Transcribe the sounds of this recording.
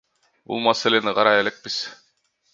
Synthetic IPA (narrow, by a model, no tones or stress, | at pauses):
bṵlˠmɑseleniqɑɾɑelek̚pis